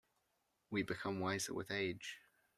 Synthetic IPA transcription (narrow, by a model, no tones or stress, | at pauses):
wibɨkʰʌ̃mwaɪzə̰wɪ̰ðeɪd̥ʒ̥